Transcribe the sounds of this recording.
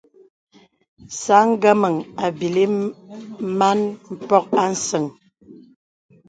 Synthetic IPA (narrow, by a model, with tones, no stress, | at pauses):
sa˨˦ŋ̩˦ɡə˦mə˨ŋa˨bi˨li˦ | ma˦nm̩˦pɔ˦k̚a˦n̩˦sə˨ŋ